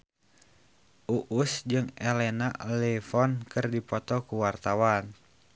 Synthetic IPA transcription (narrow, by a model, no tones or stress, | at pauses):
ʔuʔusd͡ʒɨŋɛlɛnalɛfɔnkɨrdipɔt̪ɔkuwart̪awan